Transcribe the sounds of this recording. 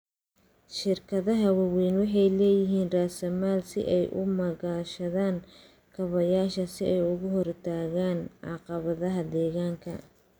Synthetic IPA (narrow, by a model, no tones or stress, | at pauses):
ʃɪrkʰɐðɐɦɐwɐwɛːnwɑħɑjlɛːjɪɦiːnraːsɐmaːlsɪ̰ʔɛjʔʊ̰mɐɣaːʃɐðaːn | kʰɐβɐjaːʃɐsɪɛjʊɣʊɦɔrt̪ʰaːɣaːnʕɑ̰qɑβɐðɐɦɐd̪ɛːɣaːŋkʰɐ̰